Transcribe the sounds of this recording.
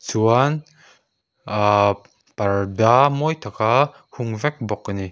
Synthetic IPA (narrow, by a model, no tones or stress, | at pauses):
t͡suan | pɐɾdamɔjt̪ʰɐka | huŋvɛk̚bɔkːani